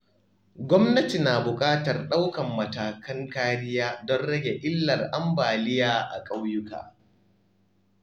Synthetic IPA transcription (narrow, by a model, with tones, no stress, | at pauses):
ɡʷɔ˦mnɐ˦ti˨naː˨bʊ˨kʼaː˦tɐ˨rɗa˦wkɐ˨mːɐ˨taː˨kɐ˦ŋkaː˦ɾɪ˦jaː˦dɔ˦nɽɐ˦ɡʲe˨ʔʲʼɪ˦lːɐ˨rʔa˦mbaː˨lɪ˦jaː˦ʔa̰˨kʼa˦wjʊ˦ka̰ː˨